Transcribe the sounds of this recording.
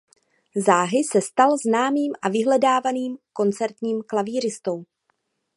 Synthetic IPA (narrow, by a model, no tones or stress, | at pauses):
zaːɦɪsɛst̪alznaːmiːmʔavɪɦlɛdaːvaniːmko̞nt͡sɛɾt̪ɲiːmklaviːɾ̝ɪst̪o̞w